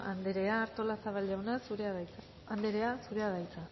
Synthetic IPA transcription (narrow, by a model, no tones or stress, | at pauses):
a̰nd̪eɾe̞aːɾt̪o̞lasaβalʝawnasuɾeað | and̪eɾe̞asuɾe̞aðajt͡sa